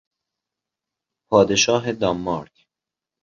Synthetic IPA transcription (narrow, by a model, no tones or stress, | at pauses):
pʰɒːd̪eʃɒːɦed̪ɒmːɒɾk